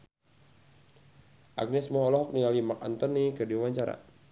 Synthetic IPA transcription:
ʔa̰ɡ̚nɛsmɔɦɔlɔɦɔk̚niŋalimak̚a̰nt̪ɔnikərdiwawaɲt͡ʃaɾa̰

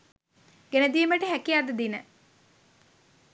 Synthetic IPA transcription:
ɡenəd̪iːməʈəɦækiad̪əd̪inə

